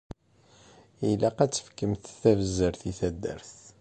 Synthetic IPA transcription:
ilæqæt͡sːə̥fkːəmθθævəzːəɾθiθæd̪ːæ̰ɾθ

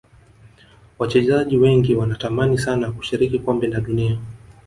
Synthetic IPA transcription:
wat͡ʃɛzaʄiwɛŋɡiwanatamanisanaku̥ʃiɾikikwɔmbɛndaɗunia

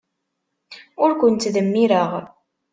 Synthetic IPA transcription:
ʊɾkʷʊnt̪ðəmːiɾəʁ

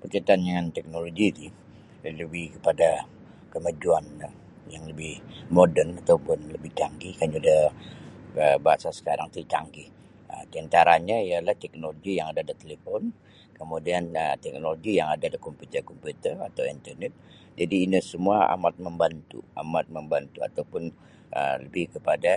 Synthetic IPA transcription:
pərt͡ʃat̪aandəŋant̪ɛk̚noloɡidi | ləbɪhkəpada | kəmad͡ʒuan | jaŋləbɪhmodənat̪awpʊnləbɪht̪aŋɡikaɲadah | əbaasasə̥kaɾaŋt̪əit̪a̰ŋɡih | ət̪iant̪aɾaɲaialaht̪ɛk̚noloɡijaŋadadət̪elefɔn | kəmudianət̪ɛk̚noloɡijaŋadadikɔmpjut̪ərkɔmput̪əra̰t̪awint̪ərnɛt̪̚ | d͡ʒadiːnəsəmuaa̰mat̪̚məmbant̪ṵa̰mat̪̚məmbant̪ua̰t̪awpʊn | ʔə̰ləbɪhkəpada

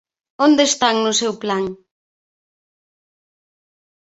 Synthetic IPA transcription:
ond̪est̪aŋnʊsewplaŋ

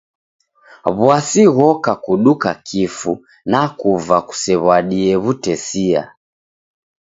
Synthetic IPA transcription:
βwasiɣɔkakuɗukakʰifu | nakuvaku̥sɛβaɗiɛβutɛsia̰

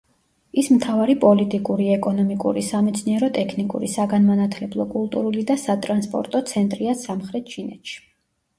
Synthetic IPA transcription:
ismt̪ʰavaɾipʼɔlit̪ʼikʼuɾiɛkʼɔnɔmikʼṵɾisamɛt̪sʰniɛɾɔt̪ʼɛkʰnikʼṵɾḭsaɡanmanat̪ʰlɛblˠɔkʼulˠt̪ʼuɾulid̪asat̪ʼɾanspʼɔ̰ɾt̪ʼɔt̪sʰɛnt̪ʼɾiasamχɾɛt̪̚ʰt͡ʃʰinɛ̰t̪ʃi̥

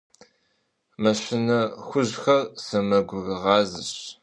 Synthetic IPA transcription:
mɐɕʷɪnɐxʷʊʑxɐrsɐmɐɡʷʊɣʁɑːzɨɕ

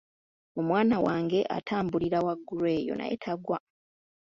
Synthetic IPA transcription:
omwaːnawaːŋɡe̞ʔa̰tʰaːmbuliɾawaɡːuɾwe̞ːjo̰na̰jḛtʰaɡwa

